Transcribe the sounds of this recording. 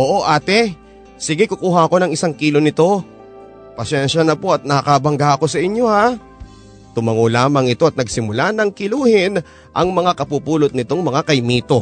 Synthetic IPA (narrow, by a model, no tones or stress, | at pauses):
ʔoːʔo̞ʔaːt̪ɛ | sɪɡɪkʊkuːɦɐɐko̞nɐŋɪsaŋkiːlo̞nɪt̪o̞ | pɐsɛnʃɐnɐpo̞ɐt̪̚nɐɐkɐbɐŋɡaʔɐko̞sɐʔɪɲjo̞ha | t̪ʊmɐŋolaːmɐŋɪt̪o̞ɐt̪̚nɐɡsɪmʊlanɐŋkɪluːhɪn | ʔɐŋmɐŋakɐpupuːlot̪̚nɪt̪o̞ŋmɐŋakɐjmiːt̪o̞